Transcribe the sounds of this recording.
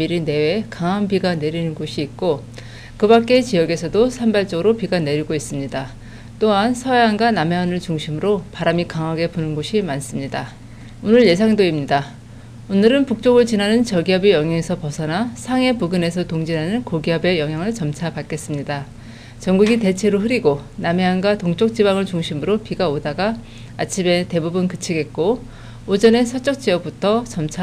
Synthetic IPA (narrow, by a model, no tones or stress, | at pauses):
miɾine̞wekaŋɦambiɡane̞ɾinɯnɡoɕʰiːk̚k͈o | kɯbak͈̚e̞t͡ɕijʌɡe̞sʰʌdosʰambaɭt͡ɕ͈ʌɡɯɾopiɡane̞ɾiɡois͈ɯmɲida | t͈oɦansʰʌeanɡanameʌnɯɭt͡ɕuŋɕʰimɯɾopaɾamikaŋɦaɡe̞ponɯnɡoɕʰimans͈ɯmɲida | onɯɭje̞s̬ʰaŋdoimɲida | onɯɾɯnpuk̚t͡ɕ͈oɡɯɭt͡ɕinɦanɯnt͡ɕʌɡiɦʌbejʌŋɦjaŋesʰʌpʌsʰʌnasʰaŋe̞puɡɯne̞sʰʌtoŋd͡ʑinɦanɯnkoɡiʌbe̞jʌŋɦjaŋɯɭt͡ɕʌmt͡ɕʰapak͈e̞s͈ɯmɲida | t͡ɕʌŋɡuɡite̞t͡ɕʰe̞ɾoɸɯɾiɡoname̞ɦanɡatoŋt͡ɕ͈ʰok̚t͡ɕ͈ibaŋɯɭt͡ɕuŋɕʰimɯɾopiɡaodaɡaː | t͡ɕʰibe̞te̞bubɯnkɯt͡ɕʰiɡe̞t̚k͈oː | d͡ʑʌne̞sʰʌt͡ɕ͈ʌk̚t͡ɕ͈iʌp̚p͈utʰʌt͡ɕʌmt͡ɕʰa